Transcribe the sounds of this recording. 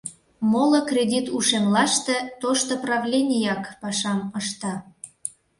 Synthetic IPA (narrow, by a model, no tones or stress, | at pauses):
molokrʲedʲit̪uʃemlɑʃt̪ĕt̪oʃt̪oprɑvlʲenʲijɑkpɑʃɑməʃt̪ɑ